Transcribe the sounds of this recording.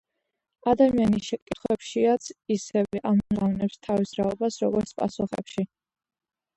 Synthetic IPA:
ad̪amianisʃɛkʼit̪χwɛpʃiat̪sʰisɛvɛʔamɔzavnɛpst̪ʰavisɾaɔbasɾɔɡɔɾt̪sʰpʼa̰suχɛ̰pʃi

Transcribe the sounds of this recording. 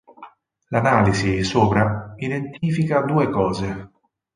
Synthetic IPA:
lanaːlizisoːpɾaid̪ent̪iːfikad̪uːekɔːze

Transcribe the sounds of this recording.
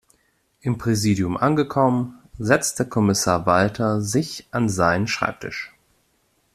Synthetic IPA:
ʔɪmpʁ̥eziːdjʊmʔanɡəkʰɔmənzɛt͡stdeɐkʰɔmɪsaːɐvaltʰɐzɪçʔanzaɪnənʃʁ̥a̰ɪp̚tʰɪ̰ʃ

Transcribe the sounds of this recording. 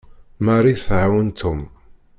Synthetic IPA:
marˤːiθʕawənt̪ʰːum

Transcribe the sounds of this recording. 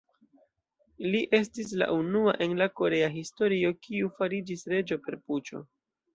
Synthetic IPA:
liʔe̞s̬tis̬la̰ʔunua̰ʔe̞nlako̞ɾe̞aɦisto̞ɾio̞kiufaɾid͡ʒisɾe̞d͡ʒo̞pe̞ɾput͡ʃo̞̰

